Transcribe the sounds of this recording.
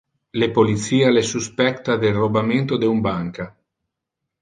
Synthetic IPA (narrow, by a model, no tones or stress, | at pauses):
lepolit̪siːalesuspɛkt̪ad̪elrobament̪od̪eumbaŋka